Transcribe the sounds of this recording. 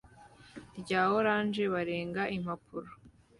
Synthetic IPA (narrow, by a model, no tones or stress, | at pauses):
ɾɟaːho̞ɾaːnʒe̞βaɾeːŋɡaʔim̥hapʰuɾo